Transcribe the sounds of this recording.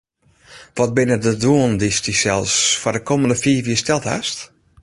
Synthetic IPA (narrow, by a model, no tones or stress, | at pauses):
ʋɔt̚bɪnədəduəndistisɛlˠsfadəkʰoməndəfiːʋiəstɛlˠtha̰st